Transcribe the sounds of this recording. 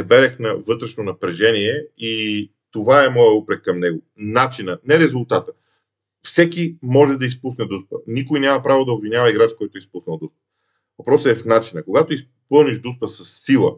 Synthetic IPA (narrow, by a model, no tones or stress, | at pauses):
ɛbɛɾɛxnɐvɤt̪ɾɛʃnonɐpɾɛʒɛniɛi | t̪ovaɛmɔjəupɾɛkkːɐmnɛɡoʊ | nat͡ʃinənɛɾɛzʊlˠt̪at̪ə̥ | fsɛkimɔʒɛd̪ɐispusnɛd̪uspənikʊjnʲjamɐpɾavod̪ɐobvinʲjavɐiɡɾat͡ʃkɔjt̪ʊɛispusnɐlˠd̪uspə̥ | vɐpɾɔsəɛfnat͡ʃinəkoɡat̪ois | pɤlˠniʒd̪uspəsɐsːilˠə̰